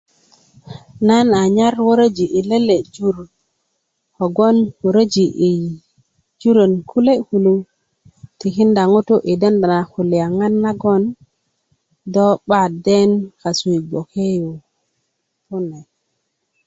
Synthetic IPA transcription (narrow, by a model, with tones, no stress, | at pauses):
na˦na˨ɲa˦ɾwo˦ɾə˦d͡ʒi˨ʔi˨le˦le˨d͡ʒu˦ɾ | ko˨ɡo˦nwo˨ɾə˦d͡ʒi˨ʔi˨ | d͡ʒu˦ɾə˨nkʰu˦le˦hu˨lu˦ | ti˨ki˦nda˨ŋu˦tu˦ʔi˨de˦nda˨na˨hu˨li˨ja˨ŋa˦nːa˦ɡo˦n | do˦ɓa˦de˦nka˨su˨i˨ɡ͡bo˨ke˦ju˨ | pu˦ne˨